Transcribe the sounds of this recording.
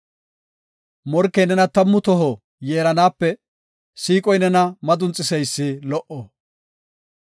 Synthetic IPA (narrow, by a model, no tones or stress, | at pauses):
mɔɾkːɛjnɛnɐt̪ɐmːʊt̪ɔɦɔ | jeːɾɐnaːpːɛ | siːkʼɔjnɛnɐmɐd̪ʊnt͡sʼːɪsɛjsːɪlɔʔɔ